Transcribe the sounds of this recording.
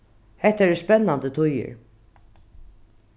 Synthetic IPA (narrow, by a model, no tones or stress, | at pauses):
hɛht̪ːaɾɛɾspɛnːant̪ət̪ʰʊjɪ̰ɹ